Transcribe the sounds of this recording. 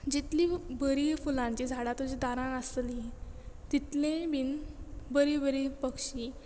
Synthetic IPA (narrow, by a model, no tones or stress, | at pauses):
d͡ʑit̪libəɾifulãɲt͡ɕid͡zʱaɽat̪od͡ʑid̪aɾãnəslit̪it̪lẽbinbəɾibəɾipəkʂi